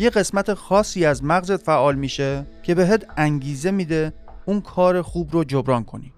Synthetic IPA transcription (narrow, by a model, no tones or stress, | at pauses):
jeɣe̞smæt̪ʰexɒːsːiːæzmæɣzet̪fæʔɒːlmiːʃecʰe̞be̞ɦet̪ʰæŋɟiːze̞mid̪e | unkʰɒːɾe̞xuːbɾod͡ʒobɾɒːnkʰo̞nḭ